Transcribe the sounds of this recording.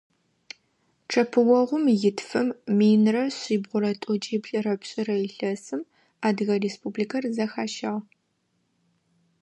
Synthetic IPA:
ʈ͡ʂʰɐpʰɨwɔʁʷʊmjɪtʰfɨmmiːnrɐɕʼiːbʁʷʊɾɐtʼɔt͡ʃʼiːbɬʼɨrɐpɕʼɪrɐɪɬɐsɨm | aːdɨɣɐreːspʰubliːkʰɐrzɐxaːʃɐʁ

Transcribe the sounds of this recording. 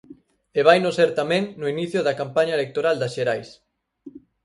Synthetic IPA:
eβajnoseɾt̪amẽŋnoiniθjoðɐkampaɲaelek̚t̪oɾald̪asʃeɾajs

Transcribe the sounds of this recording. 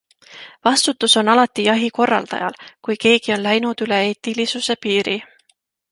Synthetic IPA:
vɑst̪ut̪ːˑuso̞nɑlɑt̪ːˑijɑɦiko̞rːɑ̰ld̪̥ɑ̰jɑ̰lkujke̞ːkio̞nlæjnud̪̥yle̞eːt̪ːˑilisuse̞piːɾi

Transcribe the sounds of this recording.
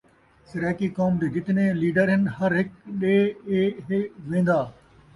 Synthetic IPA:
sɪɾaːkikɔːmd̪eːɡɪt̪ɪneliːɖəɾɦɪnhɐɾɦɪkɗeːeɦeʋẽːn̆d̪aː

